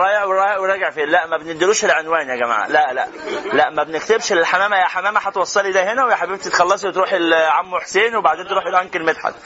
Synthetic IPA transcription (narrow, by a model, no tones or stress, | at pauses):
ɾˤɑːjeʔweɾˤɑːjeʔweɾˤɑːɡeʕfiːlæʔmæbened̪ːeluːʃelʕenwæːnjæɡæma̰ːʕa̰læʔlæ̰ʔlæʔmæbenek̚t̪ebʃlelħamæːmæjæħamæːmæħɑt̪ewɑsˤːɑlid̪æɦenæwejħabeb̚t̪et̪xɑlːɑsˤiwet̪ɾuːħelʕamːuħseːnwebaʕd̪eːnt̪eɾuːħjelʔæŋkelmet̪ħa̰d̪